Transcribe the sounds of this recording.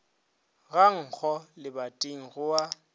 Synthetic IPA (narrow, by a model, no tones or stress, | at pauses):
ɣaŋ̩k͡xʰɔlɪbatʼeŋ̩ɣʊwa